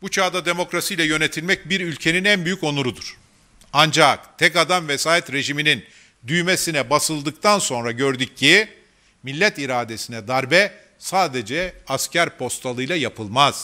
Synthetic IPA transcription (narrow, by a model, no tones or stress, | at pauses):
but͡ʃʰaːd̪ad̪e̞mo̞kɾasijlʲɛjø̞ne̞t̪ʰilʲmɛc̚biɾylʲcʰe̞ninænbyjyco̞nuɾud̪uɾ̥ | and͡ʒakt̪ʰɛkad̪amvesaːjɛt̪ɾe̞ʒiminin | d̪yjme̞sinɛbasɯlˠd̪ɯk̚t̪ʰanso̞nɾaɟø̞ɾd̪yc̚ːi | milʲːɛt̪iɾaːd̪e̞sinɛd̪aɾbɛ | saːd̪e̞d͡ʒɛascæɾpʰo̞st̪ʰalˠɯjlˠajapʰɯlˠmaz̥